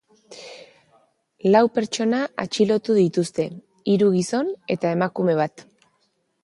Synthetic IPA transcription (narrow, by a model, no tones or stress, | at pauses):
lawpe̞ɾt͡ʃo̞naʔat͡ʃilo̞t̪uðit̪ust̪e̞ | iɾuɣiso̞ne̞t̪ae̞makume̞β̞at̪